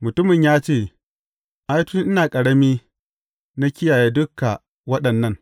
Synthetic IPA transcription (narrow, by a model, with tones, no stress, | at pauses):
mʊ˨tʊ˦mɪ˨ɲjaː˦t͡ʃeː˦˨ | ʔa˦jtʊ˦ŋʔɪ˦naː˨kʼɐ˨ɽɐ˦miː˦ | na˦kʲɪ˦jaː˨jeː˦dʊ˦kːa˨ | wɐ˦ɗɐ˨nːɐ˦˨ŋ